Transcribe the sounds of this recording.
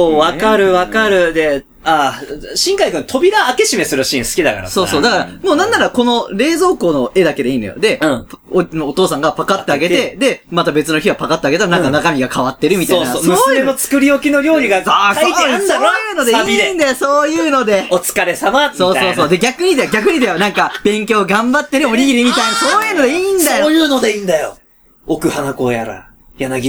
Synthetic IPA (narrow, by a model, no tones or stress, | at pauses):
oβakaɾɯ̟βakaɾɯ̟d̪e̞ | aɕĩŋkaikɯ̟̃nt̪ʰo̞bʲiɾaːke̞ɕime̞sɨɾɯ̟ɕĩɰ̃sɨ̥kʲid̪a̰ka̰ɾaso̞ːsoːd̪akaɾamo̞ːnãnːaɾako̞no̞ɾe̞ːzo̞ːko̞ːno̞ʔe̞d̪ake̞d̪eiːnojo̰d̪ẽ̞ponoːt̪o̞ːsãŋɡapakat̪ːe̞aɡe̞t̪e̞d̪e̞mat̪abe̞t͡sɨno̞çiβapakat̪ːeaɡet̪aɾanããŋkanakamʲiɡakʰaβat̪ːe̞ɾɯ̟mʲit̪aenot͡sɨ̥kɯɾʲiokʲino̞ɾʲo̞ːɾʲiɡaaoijɯːno̞d̪eiind̪ajosoːjɯ̟ːno̞d̪e̞ot͡sɨ̥kaɾe̞samaso̞ːo̞ːsoːd̪e̞ɡʲakɯ̟ɲ̟id̪ajoɡʲakɯ̟ɲ̟id̪ajonãŋkab̥ẽ̞ŋkʲo̞ːɡãmbat̪ːe̞ɾɯ̟oɾʲiɡʲiɾʲimʲit̪ainasoːjɯ̟ːno̞d̪eiːnd̪ajojɯːno̞d̪eind̪ajo̰ | okɯ̟hanakoːjaɾa̰ | janaɡʲi